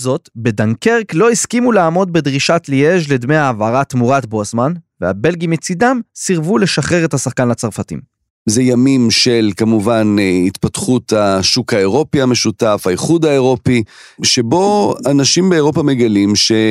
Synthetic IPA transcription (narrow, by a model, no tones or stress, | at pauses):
zo̞t̪be̞daŋkeʁklo̞iskimuleaːmo̞d̪̚bed̪ʁiʃatlijeʃled̪meaːvaʁat̪muʁat̪bosmanvea̰be̞lɡimet͡sidamsiʁvule̞ʃaχeʁethasaχkanlat͡saʁfatḭm | zejamimʃe̞lkamuvanit̪pat̪χut̪aʃukaeʁo̞piame̞ʃut̪afaiχud̪aeʁo̞pi | ʃebo̞anaʃimbeeʁo̞pame̞ɡalimʃe̞